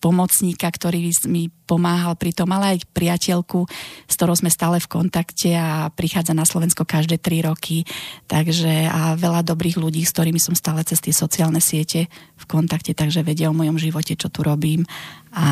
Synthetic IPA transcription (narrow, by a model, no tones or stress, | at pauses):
pɔmɔt͡sɲiːkakt̪ɔɾiːsmipɔmaːɦalpɾit̪ɔmalɛajpɾiacɛʎkust̪ɔɾɔʊzmɛst̪aːlɛfkɔnt̪akcɛapɾixaːd͡zanaslɔʋɛnskɔkaʒd̪ɛːt̪ɾiɾɔkʰit̪aɡʒɛaʋɛlad̪ɔbɾiːɣluɟiːskt̪ɔɾiːmisɔmst̪aːlɛt͡sɛst̪ɪɛsɔt͡siaːlnɛsɪɛcɛfkɔnt̪akcɛt̪aɡʒɛʋɛɟɪɛɔmɔjɔmʒiʋɔcɛt͡ʃɔt̪uɾɔbiːmʔa